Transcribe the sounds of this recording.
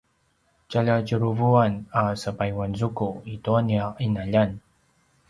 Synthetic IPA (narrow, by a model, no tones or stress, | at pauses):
t͡ʃaʎaɟəɾuvuanasəpajwanzukuituaniaʔinaʎan